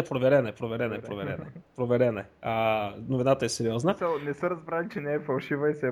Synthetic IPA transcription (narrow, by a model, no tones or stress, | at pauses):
ɛpɾovɛɾɛnɛpɾovɛɾɛnɛpɾovɛɾɛ̰nɛpɾovɛɾɛnɛənovinat̪əɛsɛɾiɔznəənɛsəɾɐzbɾalʲit͡ʃɛnɛːfɐlˠʃivəisɛ